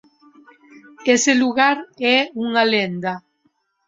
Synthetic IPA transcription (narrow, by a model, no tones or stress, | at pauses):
eseluɣaɾɛuŋalend̪a